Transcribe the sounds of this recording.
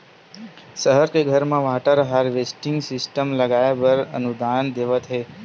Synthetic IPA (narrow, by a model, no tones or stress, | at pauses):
səɦəɾkeɡʱəɾmãʋaʈəɾɦaɾʋesʈɪ̃ŋɡsɪsʈəmləɡaebəɾə̰nud̪and̪eʋət̪ʰɦe